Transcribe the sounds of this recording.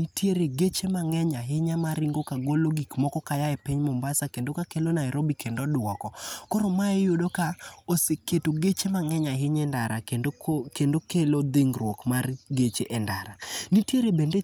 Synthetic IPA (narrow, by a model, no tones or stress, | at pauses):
nitjeɾeɡet͡ʃemaŋɛɲaɦɪɲamaɾiŋɡokaɡoloɡikmɔkɔkajaɛpɪɲmɔmbasakendokakelonaɛɾobikʰendɔdʊwɔkɔkɔɾɔmaɛjodokaoseketoɡet͡ʃemaŋɛɲaɦɪɲɛndaɾakeokendokelod̪eŋrwɔkmarɡet͡ʃeʔɛnda̰ɾanitjeɾebende